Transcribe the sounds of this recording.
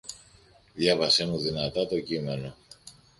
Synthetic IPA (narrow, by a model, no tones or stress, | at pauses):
ðʝɐvɐsenunðinɐt̪ɐt̪o̞cime̞no̞